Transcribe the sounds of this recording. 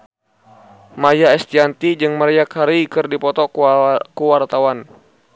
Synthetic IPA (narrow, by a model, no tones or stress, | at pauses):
majaɛst̪iant̪id͡ʒɨŋməɾijakhaɾikɨrdipɔt̪ɔkuwart̪awan